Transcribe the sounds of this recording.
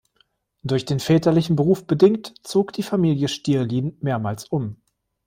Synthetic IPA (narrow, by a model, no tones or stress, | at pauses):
d̥ʊɐçd̥eːnfɛːtɐlɪçn̩bəʁ̞uːfb̥ədɪŋktt͡soːkd̥iːfamiːljəʃtiːɐliːnmeːɐmaːlsʔʊm